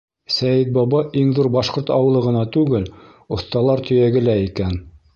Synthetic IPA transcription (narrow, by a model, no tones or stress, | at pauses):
sæjɘt̪̚bɑβɑʔiŋðuɾbɑʃqoɾt̪ɑ̰wɤ̆lˠɤ̆ʁɤ̆nɑt̪ʉɡɘl | ŏθt̪ɑlˠɑɾt̪ʰɵ̆jæɡɘ̆læikæn